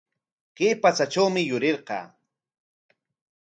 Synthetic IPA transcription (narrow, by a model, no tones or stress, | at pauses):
keːpat͡saʈ͡ʂawmɪjʊɾeɾqɑ̰ː